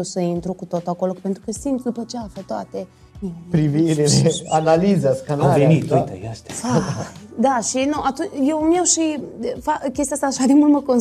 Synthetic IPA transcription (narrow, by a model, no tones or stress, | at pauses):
osəint̪ɾukut̪ot̪uako̞lope̞nt̪ɾukəsint̪d̪upət͡ʃeaflət̪oat̪e̞ | miepɾiviɾeleanalizaskanavenit̪ujt̪ə̰jaʃt̪ʲaad̪aʃinuʔat̪unt͡ʃjewmiawʃifakʲe̞st̪jast̪aːʃad̪emult̪məko̞n